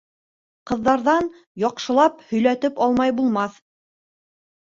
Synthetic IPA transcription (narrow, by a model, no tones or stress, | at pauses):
qɤ̆ðːɑɾðɑn | jɒqʃɤ̆lˠɑphɵ̆jlæt̪ɘpɑlˠmɑjbulˠmɑθ